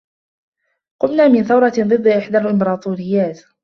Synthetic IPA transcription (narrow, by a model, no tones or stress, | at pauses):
qʊmnaːmɪnθawɾˤɑd̪ˤɨd̪ːʔɪħd̪alʔɪmbɾˤɑːt̪ˤuːɾɪjːaːt̪